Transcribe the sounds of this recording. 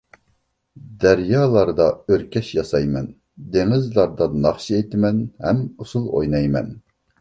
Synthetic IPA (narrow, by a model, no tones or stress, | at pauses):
d̪æɾjɑːlˠɑɾd̪ɑøɾkʲɛʃjɑsɑjmɛn | d̪eŋɪzlˠɑɾd̪ɑnɑχʃiet̪ʰɪmɛnhɛmusulˠo̰jnɑjmɛ̰n